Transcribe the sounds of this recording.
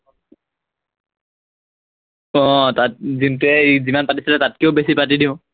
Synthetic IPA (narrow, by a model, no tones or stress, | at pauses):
ɔ̃tat̚zintɛzimanpatisilɛtat̚kiobesipat̬idiʊ̃